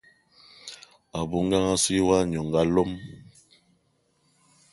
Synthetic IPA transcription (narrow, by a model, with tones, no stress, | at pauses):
a˨bu˦ŋ˦ɡa˦ŋa˦si˦wa˦ɲɔ˨ŋɡa˦lo˦m